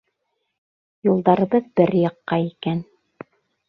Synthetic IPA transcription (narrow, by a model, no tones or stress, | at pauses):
julˠd̪ɑɾɤ̆βɤðbɘɾjɑqːɑikæn